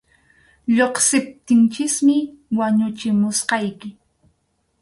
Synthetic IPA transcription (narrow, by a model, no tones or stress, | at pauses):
ʎoχsɪp̚t̪ɪnt͡ʃɪsmɪwaɲʊt͡ʃɪmʊsqɑjkɪ